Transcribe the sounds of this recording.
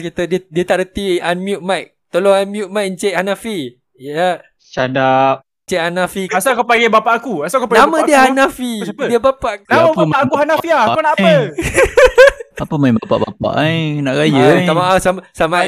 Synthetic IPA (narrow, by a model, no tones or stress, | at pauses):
kit̪ədiədiət̪aʔɾət̪ianmjut̪̚majk̚t̪oloŋanmjut̪̚majknt͡ʃɛʔ̚hanafi | ja | t͡ʃadap̚ | t͡ʃɛʔanafiasakapaɡɛbapaʔakuasakapanãamə̃diəhanafiədiəbapaʔnamamaʔakuhanafiakanaaə | apəmãbapa̰ʔba̰pa̰ʔajnaʔɾajəamaʔasamsama